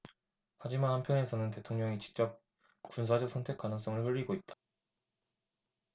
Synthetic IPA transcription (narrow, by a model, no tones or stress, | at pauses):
had͡ʑimanhampʰjʌne̞sʰʌnɯnte̞tʰoŋɲʌŋit͡ɕi̥k̚t͡ɕ͈ʌp̚ | kuns̬ʰad͡ʑʌk̚s͈ʰʌntʰe̞k͈anɯŋs͈ʌŋɯɭhɯʎːiɡoit̚t͈ḁ